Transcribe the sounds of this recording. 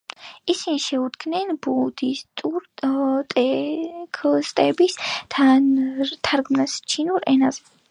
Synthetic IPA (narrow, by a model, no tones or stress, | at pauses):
isiniʃɛud̪ɡʰnɛnbud̪ist̪ʼuɾt̪ʼɛkʰlst̪ʼɛbisʰa | t̪ʰaɾɡmnast͡ʃʰinuɾɛnazɛ